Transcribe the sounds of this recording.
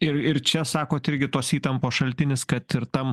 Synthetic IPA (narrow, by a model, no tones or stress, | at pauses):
ɪɾɪɾt͡ʃʲɛsɑːkoːt̪ɪɾʲɡʲɪt̪oːsiːt̪ɐmpoːsʃɐlʲt̪ʲɪnʲɪskɐt̪ɪɾt̪ɐm